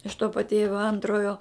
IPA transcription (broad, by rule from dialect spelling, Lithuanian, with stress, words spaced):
ɪʃ toː pɐˈtʲeːʋʲoː ˈɐntroːjoː